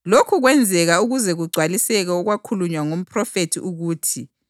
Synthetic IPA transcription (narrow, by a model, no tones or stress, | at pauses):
lokʰuɣwɛnd͡zʱɛɣauɣuzɛɣuɡ͡ǀʱwalisɛɣɛɔɣwakʰuluɲwaŋom̩pʰrɔfetʰiʔuɣuːtʰi